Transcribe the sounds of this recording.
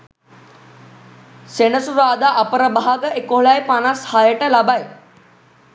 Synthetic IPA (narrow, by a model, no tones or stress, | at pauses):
senəsuɾaːd̪aʔɐpəɾəbaɦaɡəekoɦɭajpanashajəʈəlabaj